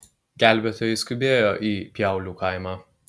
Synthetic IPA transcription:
ɡʲæˑlʲbʲet̪ɔːjɛskʊbʲeːjoːʔiːpʲjæˑʊlʲuːkɐɪmɑː

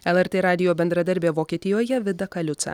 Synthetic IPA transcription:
ɛlˠɛɾʲt̪ʲeːɾɑːd̪ʲɪjoːbʲɛnd̪ɾɐd̪ɐɾʲbʲeːʋoːkʲiːt̪ʲɪjoːjɛʋʲɪd̪ɐkɐlʲʊt̪sɐ̰

